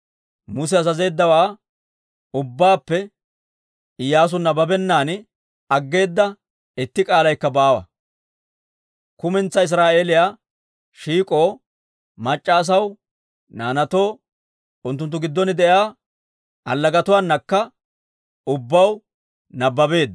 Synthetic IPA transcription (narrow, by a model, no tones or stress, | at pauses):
mʊs̬ɛɐzɐze̞ːd̪ːɐwaː | ʊbːaːpːɛ | ɪjːaːs̬ʊnːɐbɐbɛnːaːn | ɐɡːe̞ːd̪ːɐ | ɪt̪ːɪkʼaːlɐjkːɐbaːwɐ̰ | kʊmɛnt͡sːɐɪs̬ɾaːʔe̞ːlɪjaː | ʃiːkʼo̞ː | mɐt͡ʃʼːaːs̬ɐw | naːnɐt̪o̞ː | ʊnt̪ːʊnt̪ːʊɡɪd̪ːɔnɪd̪ɛjaː | ɐlːɐɡɐt̪ʊwaːnːɐkːɐ | ʊbːɐw | nɐbːɐbe̞ːd̪ːɐ